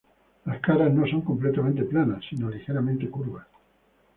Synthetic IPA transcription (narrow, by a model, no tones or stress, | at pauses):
laskaɾazno̞so̞ŋkomplet̪amẽnt̪eplanasːino̞lixeɾamẽnt̪ekuɾβas